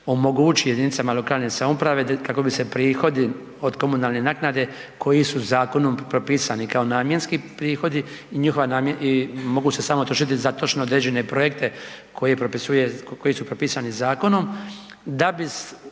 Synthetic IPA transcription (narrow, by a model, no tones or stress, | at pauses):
o̞mo̞ɡuːt͡ʃije̞d̪init̪samalokaːlneːsamupɾaʋekako̞bise̞pɾiːxo̞d̪i | o̞d̪ko̞munalnenaːknad̪e̞kʰo̞jisuzaːko̞nompɾopiːsanikao̞naːmje̞nskipɾiːxo̞d̪i | iɲixoʋanaːmjeimo̞ɡuːse̞samot̪ɾoʃit̪izat̪o̞t͡ʃnood̪ɾeːd͡ʑe̞ne̞pɾo̞jek̚t̪e̞ | kojepɾopisujekojisupɾopiːsanizaːko̞no̞m | d̪abis